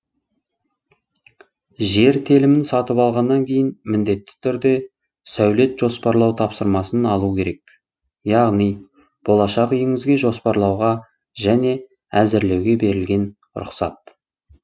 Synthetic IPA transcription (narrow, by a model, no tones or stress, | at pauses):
ʒe̞ɾt̪ʰelɪmɪnsɑt̪əpɑlˠʁɑnːɑŋkʲʰe̞jɪnmɪnd̪e̞t̪ːɪ̥t̪ʰʏɾd̪e̞ | sæwle̞t̪ʒ̥o̞spɑɾlˠɑwt̪ʰɑpsəɾmɑsənɑlˠukʲʰe̞ɾe̞k | jɑʁnij | b̥o̞lˠɑʃɑqijɪŋɪzɡʲe̞ʒo̞spɑɾlˠɑwʁɑ | ʒæne̞ | æzɪɾle̞wɡʲe̞be̞ɾɪlɡʲe̞n | ɾʊ̰qsɑt̪̚